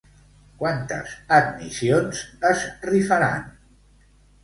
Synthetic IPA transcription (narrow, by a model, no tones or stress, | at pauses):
kwant̪ə̰zəd̪misionzəzrifəɾa̰n